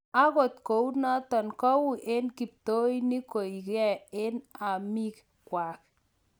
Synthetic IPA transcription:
a˦ko˨t̪ko˨u˦na˦t̪ɔ˨nkɔ˦wu˦˨ʔe˦nki˨p̚t̪o˦jni˦ko˨i˨kɛ˦˨e˦na˨mi˦k | kwa˨k̚

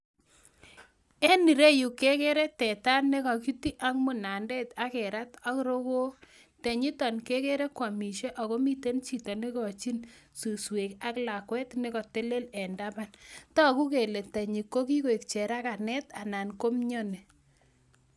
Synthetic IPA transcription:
e˦ni˨ɾe˦ju˨ke˦ke˦ɾe˦tɛ˨ta˦nːe˦kɔ˨ki˦ti˦ʔa˦kmu˨na˨ndɛ˦ta˦kɛ˨ɾa˦ta˦kɾo˦ko˦ | te˨ɲi˦tɔ˨nke˦ke˦ɾe˦kwa˨mi˨ʃe˦ʔɔ˨ko˦mi˦te˦nt͡ʃi˦tɔ˨ne˦kɔ˨t͡ʃi˦nsu˨swe˨ka˦kla˨kwɛ˦tne˦kɔ˨te˦le˦lɛ˨nda˦ba˦ntɔ˦ku˦ke˨le˨tɛ˨ɲi˨kːo˦ki˦ko˨e˨kt͡ʃe˨ɾa˦ka˨nɛ˦ta˨na˨nko˦mɲo˦ne˨

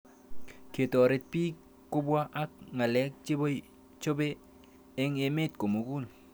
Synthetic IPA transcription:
ke˨to˨ɾe˨t̚pi˦ | ko˦bwa˦ʔa˦k̚ŋa˨le˦k̚t͡ʃi˦bo˦j | t͡ʃo˦be˦ | e˦ŋe˨me˦t̚ko˨mu˨ku˦˨l

